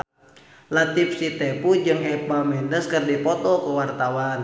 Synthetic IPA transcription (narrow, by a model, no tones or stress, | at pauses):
lat̪ip̚sit̪ɛpud͡ʒɨŋɛt̪̚bamɛndəskɨrdipɔt̪ɔkuwart̪awan